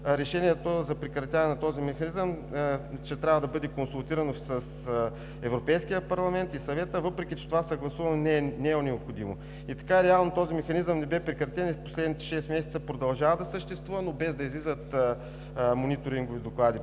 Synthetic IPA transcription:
ɾɛʃɛniɛt̪ozɐpɾɛkɾɐt̪ʲanɛnɐt̪ɔzimɛxɐnizəm | t͡ʃɛt̪ɾʲavɐd̪ɐbɤd̪ɛkonsulˠt̪iɾɐnosəs | ɛvɾopɛjskijəpɐɾlˠɐmɛnt̪isɐvɛt̪əvɤpɾɛk̟it͡ʃɛ̥t̪ovasɐɡlˠɐsuvɐnonɛnɛonɛopxod̪imo | it̪ɐ̥kaɾɛalˠnot̪ɔzimɛxɐnizəmnɛbɛpɾɛkɾɐt̪ʲɛnispo̥slɛd̪nit̪ɛ̥ʃɛst̪mɛsɛ̥t̪əpɾod̪ɐlˠʒavəd̪ɐsəʃt̪ɛst̪vuvɐnobɛzd̪ɐizlizət̪ | monit̪oɾiŋɡovid̪oklˠad̪i

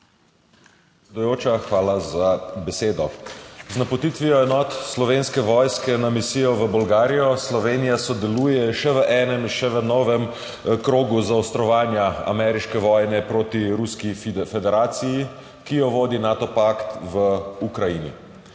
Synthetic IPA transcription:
eɛd̪ujoːt͡ʃaxʋaːlazabɛseːd̪ɔznapɔt̪it̪ʋijɔɛnɔːt̪slɔʋeːnskɛʋɔːjskɛnamisiːjɔʋəbɔlɡaːɾijɔslɔʋeːnijasɔd̪ɛluːjɛʃɛʋəʔɛːnɛmiʃɛʋənɔːʋɛm | kɾoːɡuzaɔst̪ɾɔʋaːnjaa̰mɛɾiʃkɛʋɔːjnɛpɾoːt̪iɾuskifɛd̪ɛɾaːt̪siji | kijɔʋoːd̪inaːt̪ɔpakt̪ʋəukɾainḭ

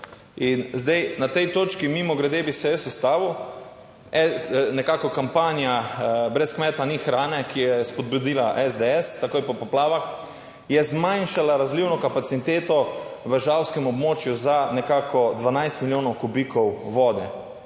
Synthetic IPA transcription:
inzd̪ɛjnat̪ɛjt̪oːt͡ʃkimimɔɡɾɛd̪eːbisɛjɛsɛst̪aːʋu | ɛnɛkakɔkampaːnijabɾɛskmɛːt̪anixɾaːnɛkijɛspɔd̪̚bud̪iːlaʔɛzd̪eɛst̪akoːjpɔpɔplaːʋax | jɛzmajnʃalaɾazliwnɔkapat̪sit̪eːt̪ɔʋəʒawskɛmɔbmoːt͡ʃjuzanɛkakɔd̪ʋanajst̪miljoːnɔwkubikʰɔwʋɔːd̪ɛ

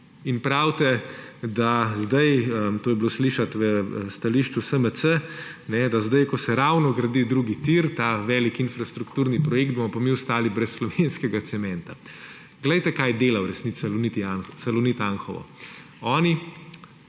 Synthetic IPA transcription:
inpɾawt̪ɛd̪azd̪ɐjəmt̪oːjɛbloːsliʃat̪ʋəst̪aliʃt͡ʃusəməsənɛd̪azd̪ajkɔsɛɾawnɔɡɾɐd̪id̪ɾuːɡit̪iɾt̪aʋɛlikinfɾast̪ɾukt̪uːɾnipɾɔjekd̪bomɔpamiʊst̪aːlibɾɛsːlɔʋenskɛɡat̪sɛmɛ̃nt̪a | ɡ̥ləjt̪ɛkajd̪eːlawɾɛsnit̪sɛlunit̪ijansalɔnit̪anxɔʋɔ̰ | ɔːni

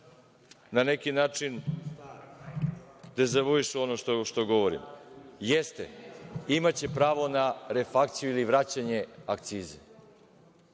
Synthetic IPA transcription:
nane̞kinaːt͡ʂin | d̪̥ezaʋoiʃo̞noʃt̪oʃt̪oɡo̞ʋoɾḭmjest̪ḛimat͡ɕe̞pɾaːʋo̞naɾefakt̪sijuiliʋɾat͡ɕaɲe̞akt̪siːzḛ

